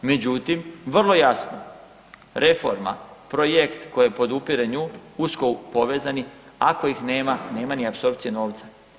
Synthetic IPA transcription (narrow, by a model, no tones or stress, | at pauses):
med͡ʑut̪imʋr̩lˠo̞jasno | ɾʔe̞fo̞̰ɾma̰pɾojekt̪ko̞jjepo̞d̪upiɾeɲuːuskoupo̞ʋe̞ːzani | ako̞ixneːmaneːmaniapso̞ɾp̚t̪sijeno̞ːʋt̪sa